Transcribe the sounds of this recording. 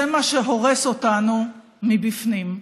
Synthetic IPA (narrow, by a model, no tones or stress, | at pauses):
emaʃeɦo̞ʁesotanu | mibifnim